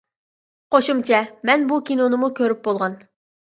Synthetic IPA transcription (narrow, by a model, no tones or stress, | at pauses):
qoʃumt͡ʃʰɛmɛnbukʲinonɨmukʲʰøɾyp̚bolˠʁɑn